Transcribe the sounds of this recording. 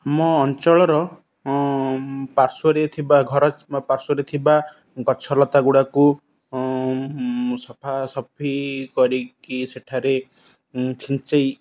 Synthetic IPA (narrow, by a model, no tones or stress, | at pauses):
amɔːnt͡ʃɔɭɔɾɔ | paɾsɔɾet̪ʰibaɡʱɔɾɔpaɾsuɾet̪ʰiba | ɡɔt͡ʃʰɔlɔt̪aɡuɽaku | sɔpʰasɔpʰikɔɾikiseʈʰaɾe | t͡ʃʰint͡ʃej